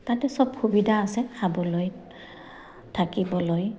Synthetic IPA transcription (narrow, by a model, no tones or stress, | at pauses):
tatɛsɔbxubidʱaːsɛsabɔloj | tʰakibɔloj